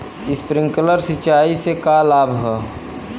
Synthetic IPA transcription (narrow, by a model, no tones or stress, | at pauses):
ɪspɾɪ̃ŋɡkələɾsɪt͡ʃaːisekalaːbʱɦɛː